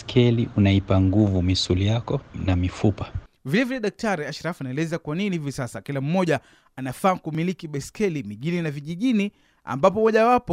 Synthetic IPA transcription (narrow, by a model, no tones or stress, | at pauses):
skʰɛliʔunaipaŋɡuvumisulijakɔnamifupḁ | vilɛvilɛɗak̚taɾiaʃɾafanaɛlɛzakwaninihivisasakilam̩mɔʄa | anafaːkumilikiɓɛskɛlimiʄininaviʄiʄini | a̰mbap̬ɔmɔʄawapɔ